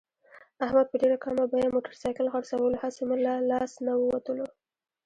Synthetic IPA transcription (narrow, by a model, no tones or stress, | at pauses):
ahmad̪̚pəɖeɾakɑmabajamoʈəɾsɑjkəlɣaɽsawəlohasemʊlalɑsnawəwat̪əlo